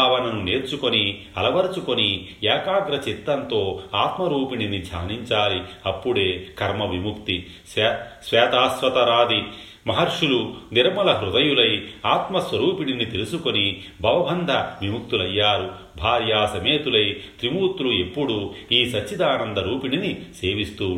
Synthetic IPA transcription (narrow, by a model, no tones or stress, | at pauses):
aːʋɐnɐnune̞ːɾt͡ʃuko̞ni | ɐlɐʋɐɾɐt͡ʃuko̞niɛːkaːɡɾɐt͡ʃit̪ːɐnt̪o̞ːaːt̪mɐɾuːpininid͡ʒʱa̰ːniɲt͡ʃaːliɐpːuɽe̞ːkɐɾmɐʋimukt̪i | ssʋɛːt̪aːsʋɐt̪ɐɾaːd̪ʱi | mɐɦɐɾʂuluniɾmɐlɐɦɾud̪ɐjulɐjaːt̪mɐsʋɐɾuːpininit̪elusuko̞ni | bʱɐʋɐbʱɐnd̪ʱɐʋimuk̚t̪ulɐjːaːɾu | bʱaːɾjaːsɐmeːt̪ulɐjt̪ɾimuːt̪ulue̞pːuɽuiːsɐːid̪aːnɐnd̪ɐɾuːpininise̞ːʋist̪uː